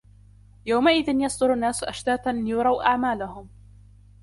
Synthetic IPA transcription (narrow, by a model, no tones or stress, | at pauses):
jawmaʔɪðɪnjɑsˤd̪ʊɾanːaːsʔaʃt̪aːt̪anjʊɾˤɑwʔaʕmaːlahʊm